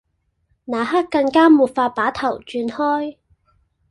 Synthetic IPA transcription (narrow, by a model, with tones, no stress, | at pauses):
naː˨˩ha˥kːɐ˧ŋkaː˥muː˨˩t̚faː˧t̚paː˨˥t̪ʰɐ˨˩wt͡ʃyː˧nhɔː˥j